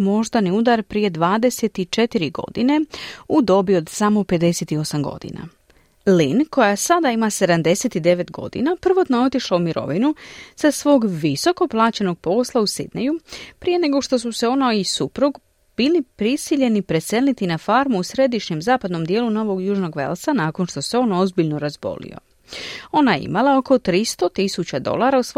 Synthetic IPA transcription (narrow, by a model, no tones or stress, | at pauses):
mo̞ʒd̪aniuːd̪aɾpɾije̞d̪ʋaːd̪e̞se̞t̪it͡ʃe̞t̪iɾiɡo̞̰d̪ine̞ud̪o̞bio̞d̪samo̞pe̞d̪e̞set̪io̞samɡo̞̰d̪ḭna̰ | linko̞jasad̪aimase̞d̪amd̪e̞se̞t̪id̪e̞ʋe̞t̪ɡo̞̰d̪ḭnapr̩ʋot̪noeo̞t̪iʃlaumiɾʔo̰ʋinusasʋo̞ːɡʋiso̞ko̞plˠaːt͡ɕe̞no̞ɡ̚po̞slˠausḭd̪nejupɾije̞ne̞ɡo̞ʃt̪o̞s̬useo̞naisupɾuɡ | b̥iːlipɾisiʎe̞nipɾe̞se̞lit̪inafaːɾmuusɾe̞d̪iʃɲemzaːpad̪no̞md̪je̞ːlˠuno̞ːʋo̞ɡjuːʒno̞ɡʋe̞̰lsanaːko̞nʃt̪o̞se̞o̞no̞zbiʎno̞ɾazbo̰lḭjo̞̰ | o̞najḛḭmalao̞ko̞t̪ɾist̪o̞t̪isut͡ɕad̪o̞̰lˠaɾaus